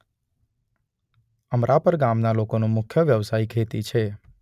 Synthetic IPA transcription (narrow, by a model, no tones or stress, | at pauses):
əmɾʔapəɾɡamnalokonũmʊkʰjəʋjəʋsaikʰet̪it͡ʃʰe